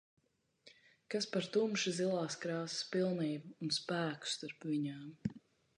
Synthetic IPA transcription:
kaspaɾt̪umʃizilˠaːskɾɑːsɪ̥spilˠniːbuːnspæːku̥st̪aɾpviɲaːm

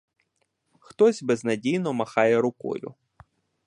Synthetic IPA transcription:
xt̪ɔzʲbeznɐdʲijnɔmɐxɑjɛɾʊkɔ̰jʊ̰

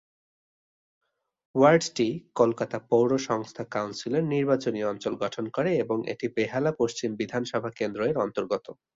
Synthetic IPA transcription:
waɾɖʈikolkat̪apowɾoʃɔŋst̪ʰakawnsileɾniɾbat͡ɕoniɔnt͡ɕolɡɔʈʰonkoɾeeboŋʔḛʈipeɦalapoʃt͡ɕimbid̪ʱanʃɔbʱakend̪ɾoeɾɔnt̪oɾɡot̪o

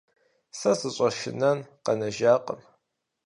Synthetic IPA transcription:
sɐsɨɕʷʼɐʃɪ̰nɐnqɐnɐʒaːqʼə̰m

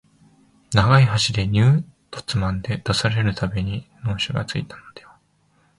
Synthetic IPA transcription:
naɡaiɦaɕid̪e̞ɲ̟ɨː | t̪o̥t͡sɨmãnd̪e̞d̪̥asaɾe̞ɾɯ̟t̪ʰabe̞ɲ̟ino̞ːɕoɡa̰t͡sɨit̪ano̞d̪̥ajo

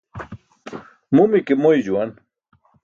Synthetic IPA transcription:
mumikemojd͡ʑuan

